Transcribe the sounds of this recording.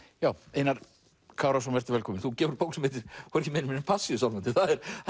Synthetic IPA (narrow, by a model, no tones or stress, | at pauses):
jaːwejnaɾ̥ | kʰaːwɾas̬ɔnvɛr̥t̪ɪɾvɛlkɔːmɪnθucɛːvʏɾpowksmɪːt̪ɪɾ̥kɔɾcɪmenmɪnɪpʰasːiʏsawlvant̪ɪθaðɛɾ̥